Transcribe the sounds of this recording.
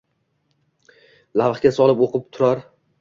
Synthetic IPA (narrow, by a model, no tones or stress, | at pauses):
lavχkʲasɒlˠɪpoqʰɨp̚t̪ʰʊɾaɾ